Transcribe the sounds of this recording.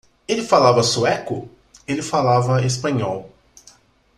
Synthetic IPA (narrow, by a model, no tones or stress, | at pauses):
elɪfalavɐsuɛkʊ | elɪfalavɐespɐ̃ɲɔw